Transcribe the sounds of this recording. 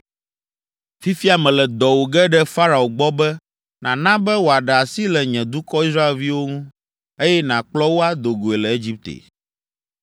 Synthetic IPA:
fi˦fi˦a˨mɛ̃˨lɛ˨d̪ɔ˨wo˨ɡɛ˦ɖɛ˦fa˦ɾa˨o˨ɡ͡bɔ˦bɛ˦ | nã˨nã˦bɛ˦wo˨a˨ɖɛ˨a˨si˦lɛ˨ɲɛ̃˨d̪u˦kɔ˦i˦sɾa˦e˨lvi˦wo˦ŋũ˦ | e˦jɛ˦nã˨k͡plɔ˦wo˦a˦d̪o˨ɡo˨e˨lɛ˨e˦d͡ʑi˦p̚t̪ḛ˨

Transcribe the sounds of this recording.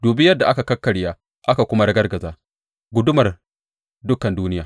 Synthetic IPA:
duː˨bɪ˦jɐ˦dːa˨ʔa˦ka˨kɐ˦kːɐ˨ɽjaː˦ | ʔa˦ka˨kʷʊ˦ma˦ɽɐ˦ɡɐ˦rɡɐ˨zaː˦ | ɡʷʊ˦dʊ˦mɐ˨r | dʊ˦kːɐ˨nduː˦nɪ˦jaː˨

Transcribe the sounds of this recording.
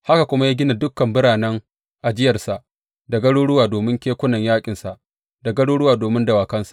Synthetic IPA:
ha˦ka˨kʷʊ˦ma˦ja˦ɡʲɪ˦na˨dʊ˦kːɐ˨mbɪ˦ɽaː˨nɛ˦ŋ | ʔa˨d͡ʒɪ˦jɐ˨rsa˨ʔ | da˨ɡɐ˦ɽoː˦ɽʊ˦waː˨doː˨mɪ˦ŋkʲeː˦kʷʊ˦nɐ˨ɲjaː˦kʲʼɪ˨nsa˨ʔ | da˨ɡɐ˦ɽoː˦ɽʊ˦waː˨doː˨mɪ˦ndɐ˨waː˨kɐ˦nsḁ˦ʔ

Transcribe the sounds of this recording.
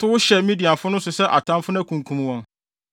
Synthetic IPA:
tʰʊ˦wʊ˦ɕɛ˨mĩ˦di˨a˨fʊ˦nʊ̃˦sʊ˨sɛ˦ʔa˨tʰã˦mfʊ˦n˦æ˦kʰũ˨ŋ˨kʰũ˨m˦wɔ̃˨n

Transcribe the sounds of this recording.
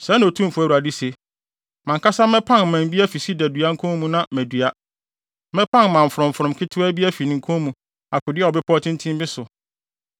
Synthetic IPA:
sɛ˨˦ñ˨o˨tʰũ˦m˨fu˦æ˨u˨a˨dɪ˦se˨ | mã˨ŋkʰa˦sa˦mɛ̃˦pʰã˦n˨mæ̃˨m˦bi˦æ˦fi˨si˦dɛ˨dɥa˦ŋ̩˦kʰɔ̃˦mũ˦nã˦mæ̃˨dɥa˦ | mɛ̃˦pʰã˦nmã˨ɱ̩˨fʊ˨ɾʊ̃˨m̩˨fʊ̃˨mkʰɪ˦tʰʊ˦æ˦bi˦æ˦fi˨nɪ̃˨ŋ̩˨kʰɔ̃˦mũ˨ | a˨kʰʊ˨dɪ˦a˨ɔ˨bɪ˦pʰɔ˦tʰɪ̃˦n˦tʰĩ˦mbɪ˦sʊ˨

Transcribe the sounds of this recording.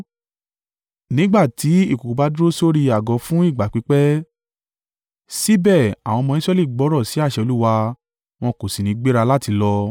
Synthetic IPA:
nĩ˨˦ɡ͡ba˦˨ti˨˦i˦˨ku˨ku˨ba˨˦du˦ɾo˦so˦ɾi˧a˨ɡɔ˨˦fũ˦i˦˨ɡ͡ba˨k͡pi˨˦k͡pɛ˦ | si˦bɛ˦˨a˨w̃ɔ̃˧mɔ̃˧ĩ˦sɾɛ˦li˦˨ɡ͡bɔ˨˦ɾɔ˦˨si˨˦a˦˨ʃɛ˧o˧lu˦wa˧ | w̃ɔ̃˧ko˨si˨nĩ˨˦ɡ͡be˦ɾa˧la˦˨ti˧lɔ˧

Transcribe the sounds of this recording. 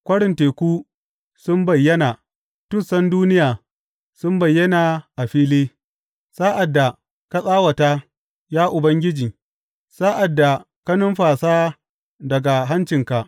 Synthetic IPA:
kʷɐ˦ɽɪ˨nteː˨kʷuː˦ | sʊ˦mbɐ˨jːɐ˦naː˨ | tʊ˦˨sɐ˦nduː˦nɪ˦jaː˨ | sʊ˦mbɐ˨jːɐ˦naː˨ʔa˨ɸiː˦leː˦ | saː˦ʔa˨dːa˨ | ka˦sʼaː˦wɐ˨ta˦ | jaː˦ʔʊ˨bɐ˦ŋɡʲɪ˦d͡ʒiː˨ | saː˦ʔa˨dːa˨ | kɐ˦nʊ˦mɸaː˨saː˦ | dɐ˨ɡa˨ɦa˦nt͡ʃɪ˨ŋka˨ʔ

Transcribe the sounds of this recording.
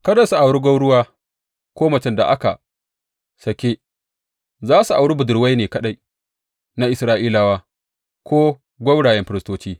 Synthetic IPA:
kɐ˦dɐ˨su˨ʔa˨wɽu˦ɡʷɐ˦wɽʊ˦waː˦ | kʷoː˦mɐ˨t͡ʃɪ˦nda̰˨ʔa̰˦ka˨ | sɐ˨kʲe˦ | zaː˦su˨ʔa˨wɽi˦bʊ˨dʊ˨ɾwa˦jneː˨kɐ˦ɗa˦j | na˦ʔɪ˨sɾaː˦ʔiː˦la˨waː˦ | kʷoː˦ | ɡʷɐ˦wɽaː˨jɛ˦mɸɪ˦ɾɪ˦stoː˦t͡ʃiː˦

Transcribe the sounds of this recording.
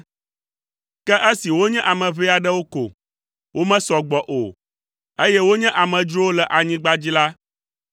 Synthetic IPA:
kɛ˦ʔɛ˦si˨wo˦ɲɛ̃˦ʔa˨mɛ̃˨βɛ˦a˨ɖɛ˦wo˦ko̰˨ | wʔo˦mɛ̃˦sɔ˨ɡ͡bɔ˨ʔo̰˨ | e˦jɛ˦wo˦ɲɛ̃˦ʔa˨mɛ̃˨d͡ʒɾo˦wo˦lɛ˨ʔa˨ɲĩ˦ɡ͡ba˦d͡ʑi˦la˦

